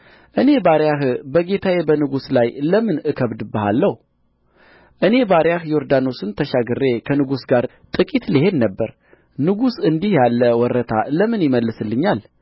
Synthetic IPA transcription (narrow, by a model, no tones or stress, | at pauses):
ʔɨne̞baɾjaɦbəɡe̞t̪ʰajebənɨɡuslajləmɨnɨkʰəβd̪bəha̰lːəh | ʔɨne̞baɾjahjoɾd̪ano̞sɨnt̪ʰəʃaɡɨrːe̞kʰənɨɡusɡaɾ | t̪ʼɨkʼit̪liɦe̞d̪nəbːəɾ | nɨɡusɨnd̪ihjalːəwɔɾət̪ʰa̰ləmɨnjɪməlːɨsɨlːɨɲːal